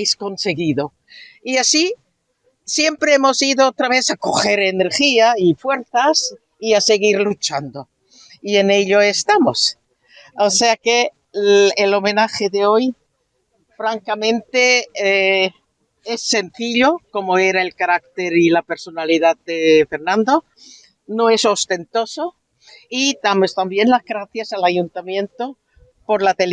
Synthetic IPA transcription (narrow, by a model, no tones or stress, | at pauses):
jsko̞nse̞ɣiðo | iasi | sje̞mpɾeemo̞siðoot̪ɾaβ̞e̞θako̞xe̞ɾene̞ɾxiaifwe̞ɾθas | iase̞ɣiɾlut͡ʃand̪o | iene̞ʎoe̞st̪amos | oseake | elo̞me̞naxeðeo̞j | fɾaŋkamẽ̞nt̪e̞ | e̞sːe̞nθiʎo̞ko̞moe̞ɾae̞lkaɾak̚t̪e̞ɾilape̞ɾso̞naliðaðd̪efe̞ɾnãnd̪o̞ | no̞e̞so̞st̪e̞nt̪o̞so̞ | id̪amo̞st̪ambje̞nlazɣɾaθjasalaʝunt̪amjẽ̞nt̪o | po̞ɾlat̪el